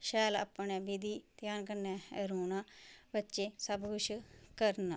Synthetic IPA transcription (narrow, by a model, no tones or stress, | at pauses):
ʃɛːla̰ːpnɛːbid̪iːt̪jaːnkəɾnɛːɾuːnaːbətːʃeːsəbkʊʃʰkəɾna